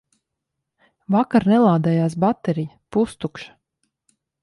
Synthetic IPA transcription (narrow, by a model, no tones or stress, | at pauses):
vakaɾnɛlˠaːd̪ɛːjaːs̬bat̪ɛɾijəpust̪ukʃḁ